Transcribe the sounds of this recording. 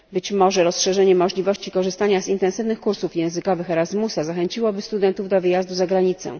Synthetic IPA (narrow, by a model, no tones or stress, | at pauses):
bɘt͡ɕmɔʐɛɾɔsʂɛʐɛɲɛmɔʐlʲivɔɕt͡ɕikɔʐɘst̪aɲazint̪ɛ̃nsɘvnɘxkuɾsufjɛ̃w̃zɘkɔvɘxɛɾazmusazaxɛɲt͡ɕiwɔbɘst̪ud̪ɛnt̪uvd̪ɔvɘjazd̪uzaɡɾaɲit̪sɛ̰̃